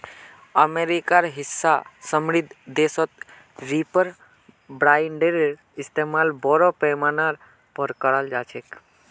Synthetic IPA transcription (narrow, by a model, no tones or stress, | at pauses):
əmeɾikaɾɦisːasəmɾid̪ʱd̪esɔt̪ | ɾipəɾ | bɾaːjɳɖeɾɾ | ist̪emalbɔɾɔpɛmanaɾ | pəɾkəɾəld͡ʒaːt͡ʃʰek